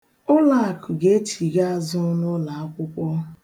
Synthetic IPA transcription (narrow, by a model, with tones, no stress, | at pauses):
ʊ˦la˦˨kʰʊ˨ɡe˦t͡ʃi˨ɡa˦a˨zʊ˦nʊ˦la˨a˦kʷʊ˦kʷɔ˦